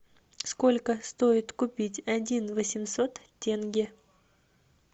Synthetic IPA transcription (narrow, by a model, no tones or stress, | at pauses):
sko̞lʲkəst̪o̞ɪt̪kʊpʲitʲɐdʲinvəsʲɪmso̞t̪ | tʲːenɡʲɪ